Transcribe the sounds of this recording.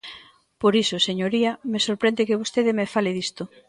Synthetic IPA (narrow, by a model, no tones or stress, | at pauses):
poɾisʊseɲoɾiɐmesoɾpɾend̪ɪkeβost̪eðɪmefaleðist̪ʊ